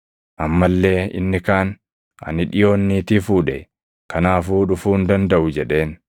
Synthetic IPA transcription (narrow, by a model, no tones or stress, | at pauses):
ʔɐmːɐlːe̞ːɪ̰nːɪkaːn | ɐ̰nɪᶑɪjo̞ːnːiːt̪ɪfuːᶑɛ | kɐnaːfuːᶑʊfuːnd̪ɐnd̪ɐʔʊd͡ʒɛᶑe̞ːn